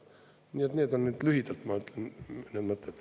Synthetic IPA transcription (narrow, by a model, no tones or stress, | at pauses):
niːet̪nʲet̪onːniːt̪lyhit̪elt̪mɑt̪net̪mɑt̪ːet̪